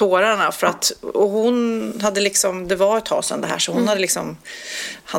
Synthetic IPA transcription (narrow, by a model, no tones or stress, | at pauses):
oːɾaɳafœɾat̪ɔɦʊnɦad̪ːəlɪksɔmd̪ɛvaɾɛt̪ʰhɑ̰ːsɛ̰nd̪ɛɦæ̰ːʂɔhʊnhad̪ːəlɪksɔm | ha